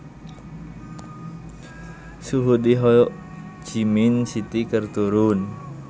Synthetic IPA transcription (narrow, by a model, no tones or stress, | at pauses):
suɦud̪iɦɔ | d͡ʒiminsit̪ikərt̪uɾun